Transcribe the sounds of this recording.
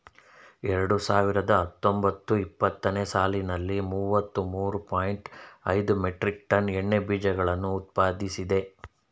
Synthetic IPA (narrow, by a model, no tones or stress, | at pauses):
ɛɾɐɽusaːʋiɾɐd̪ɐɦɐt̪ːo̞mbɐt̪ːuipːɐt̪ːɐneːsaːlinɐlːimuːʋɐt̪ːumuːɾupaːjiɳʈɐ̰jd̪umeʈɾik̚ʈɐnɛɳːe̞biːd͡ʒɐɡɐɭɐnːuːt̪̚paːd̪isid̪e̞